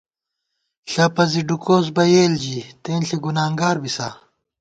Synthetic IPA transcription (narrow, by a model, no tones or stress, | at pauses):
ɬɐpɐziɖukoːs̬bɐjeːld͡ʑit̪eːnɬeɡunaːŋɡaːɾbisa